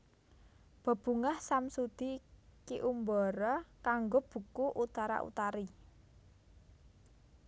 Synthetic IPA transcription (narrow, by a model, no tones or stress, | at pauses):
b̥a̤b̥ṳŋahsamsud̪̥i̤kiʔumbɔɾɔkaŋɡob̥ṳkuʔut̪aɾa̰ʔṵt̪aɾi